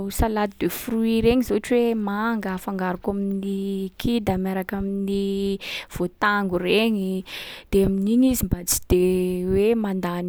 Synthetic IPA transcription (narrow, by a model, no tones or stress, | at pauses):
salad̪id̪efruiɾeɲizoaʈ͡ʂwemaŋɡəfaŋɡaɾukaminikʰid̪amaɾakamini | v̥ot̪aŋɡureɲid̪̥eaminiɲizimbat͡si̥d̪̥ewemand̪an